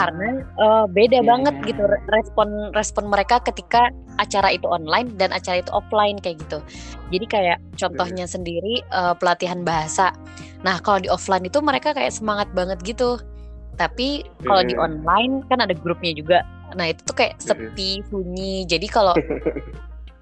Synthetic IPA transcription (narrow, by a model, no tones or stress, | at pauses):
kaɾənaəbedabaŋət̪̚ɡit̪urɛspɔnrɛspɔnməɾekakət̪ikaː | t͡ʃaɾait̪uɔnlaɪndanat͡ʃaɾait̪uʔɔflaɪnkajaʔɡit̪u | d͡ʒadikajaʔt͡ʃɔnt̪ɔhɲasəndiɾiəpəlat̪iɦanbaɦasa | nahkalodiɔflainit̪uməɾekakajaʔsəmaŋat̪̚baŋət̪̚ɡit̪u | t̪apikalodiʔɔnlaɪnkanadaɡɾup̚ɲad͡ʒuɡa | nahit̪u̥t̪ukaja̰ʔsəpifuɲid͡ʒadikalo